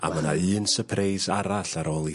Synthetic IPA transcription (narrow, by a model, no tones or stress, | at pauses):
a̰məna̰ɨːnsəpʰrejzaɾaɬaɾoːlˠi